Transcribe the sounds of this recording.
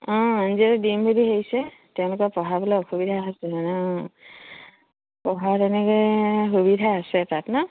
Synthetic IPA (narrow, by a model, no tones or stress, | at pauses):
ɔ̃anziɾɛdimbʱediɦejsɛ | tɛ̃ʊ̃lʊkɔpɔɦabɔlaxʰubidʱaasɛnɔ | pɔɦatɛnɛkɔxubidʱaːsɛtatna